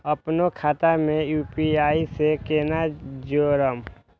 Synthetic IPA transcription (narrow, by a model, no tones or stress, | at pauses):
əpnokʰaːt̪amẽjuːpiaːisekeːnad͡ʒoːɾəm